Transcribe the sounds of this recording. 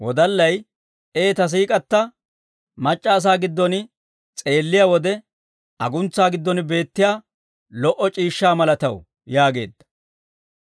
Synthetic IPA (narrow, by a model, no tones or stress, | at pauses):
wɔd̪ɐlːɐj | ʔe̞ːt̪ɐs̬iːkʼɐt̪ːɐ | mɐt͡ʃʼːaːs̬aːɡɪd̪ːɔnɪ | t͡sʼe̞ːlːɪjawɔd̪ɛ | ʔɐɡʊnt͡sːaːɡɪd̪ːɔnɪbe̞ːt̪ːɪjaː | lɔʔɔt͡ʃʼiːʃːaːmɐlɐt̪ɐw | jaːɡe̞̰ːd̪ːɐ̥